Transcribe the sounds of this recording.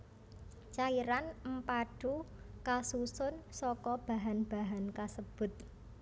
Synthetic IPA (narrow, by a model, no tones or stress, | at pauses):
t͡ʃaiɾanmpaɖ̥ukasusʊnsɔkɔb̥a̤ɦanb̥a̤ɦankasəb̥ʊ̤t̪̚